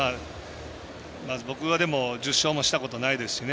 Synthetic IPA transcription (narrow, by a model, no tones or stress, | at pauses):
a | mabo̞kɯ̟βad̪e̞mo̞d͡ʑɨɕːo̞ːmo̞ɕi̥t̪ako̞t̪o̞naid̪e̞sɨ̥ɕine